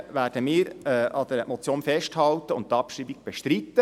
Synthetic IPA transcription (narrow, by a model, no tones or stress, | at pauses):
ʋæːrd̥əmɪːɾɛʔɑd̥̪əɾmɔt͡sjoːnfɛʃthɑlt̪əʊntɑpʃɾiːbiɡ̚b̥eʃtɾit̪ːə